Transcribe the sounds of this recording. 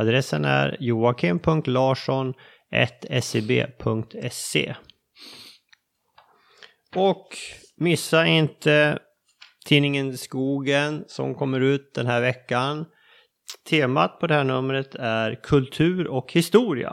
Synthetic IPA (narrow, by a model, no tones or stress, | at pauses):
ad̪ɾɛsːənæ̰ɾjuːakʰɪmpʰɵŋk̚t̪lɑːʂɔn | ʔɛ̰t̪ɛsebḛːpʰɵŋk̚t̪ɛsːḛː | ɔk | mɪsːaɪnt̪ə | t̪ʰiːnɪŋənskuːɡənsɔ̰mkʰɔmːəɾʉ̟ːt̪̚d̪ɛnɦæːɾvɛkːan | t̪ʰeːmat̪̚pʰɔd̪ɛhæːɳɵmːɾət̪ʰæɾkʰɵlt̪ʰʉ̟ːɾɔkhɪst̪uːɾɪa̰